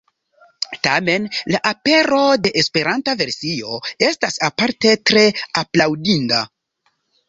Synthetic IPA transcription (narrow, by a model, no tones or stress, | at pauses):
tame̞nlaʔape̞ɾo̞de̞ʔespe̞ɾʔantave̞ɾsio̞e̞stasapaɾte̞tɾe̞aplawdinda